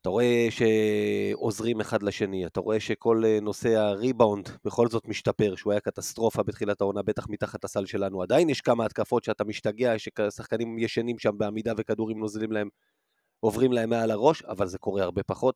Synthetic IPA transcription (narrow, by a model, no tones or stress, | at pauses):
ataʁo̞e̞ʃe̞ | o̞zʁime̞χad̪laʃe̞niat̪aʁo̞e̞ʃe̞kʰo̞leno̞se̞aʁibawndbeχo̞lzo̞tmiʃtape̞ʁʃeuajakat̪ast̪ʁo̞fabet̪χilatao̞nabe̞t̪aχmitaχat̪lasalʃe̞lanuad̪ainjɛʃkamaːt̪kafo̞tʃeatamiʃtaɡeaʃeksaχkanimjeʃanimʃambeamid̪ave̞kad̪uʁimno̞zlimlae̞m | o̞vʁimlae̞mːealaʁo̞ʃa̰valze̞ko̞ʁe̞aʁbe̞paχo̞t̪̚